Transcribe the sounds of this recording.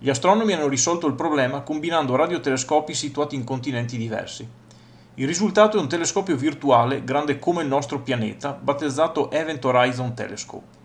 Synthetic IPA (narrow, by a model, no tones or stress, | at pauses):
ʎiast̪ɾɔnomianːoɾisɔlt̪oilpɾoblɛːmakombinand̪oɾad̪jot̪eleskɔːpisit̪uaːt̪iːŋkont̪inɛnt̪id̪ivɛ̰rsi | ilːizult̪aːt̪oɛunt̪eleskɔːpjovirt̪uaːleɡɾand̪ekomeilnɔst̪ɾopjanḛːt̪abat̪ːed̪zːaːt̪oʔɛvent̪oɾajzont̪ɛ̰lḛskɔ̰p